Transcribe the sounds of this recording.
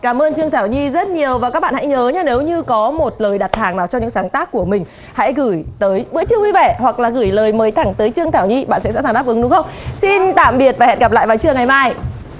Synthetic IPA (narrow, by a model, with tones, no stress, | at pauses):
kaː˧˩mʔəː˧nt͡ɕɨ˧əŋt̪ʰaː˧˩wɲi˧zə˦˥t̚ɲi˨˩əwvaː˨˩ka˦˥ɓa̰ː˧˨ha̰˧˥jɲəː˨˦ɲaː˧ne˨˦wɲɨ˧kɔ˨˦mo˨˩t̚ləː˨˩jɗa˨˩t̚t̪ʰaː˨˩ŋnaː˨˩wt͡ɕɔ˧ŋ͡mɲɨ̰˧˥ŋsaː˨˦ŋt̪aː˦˥kːu˧˩əmï˨˩ŋ̟ | ha̰˧˥jɣɨ˧˩jt̪əː˨˦jɓɨ̰˧˥t͡ɕɨ˧əwi˧vɛ˧˩hwa˨˩k̚laː˨˩ɣɨ˧˩jləː˨˩jməː˨˦jt̪ʰa˧˩ŋt̪əː˨˦jt͡ɕɨ˧əŋt̪ʰaː˧˩wɲi˧ɓa̰˧˨nsɛ̰˧˥sa̰˧˥zaː˨˩ɗaː˦˥ʔɨ˨˦ŋɗʊ˨˦xə˧wŋ͡msi˧nt̪a̰ː˧˨mɓi˨˩ət̚vaː˨˩ɛ̰˨t̚ɣa˨˩plaː˧˨jvaː˨˩wt͡ɕɨ˧əŋa˨˩jmaː˧j